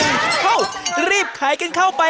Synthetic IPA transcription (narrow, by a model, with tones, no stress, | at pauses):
a˥˩wɾiː˥˩p̚kʰaː˩˦jka˧nkʰa˥˩wpa˧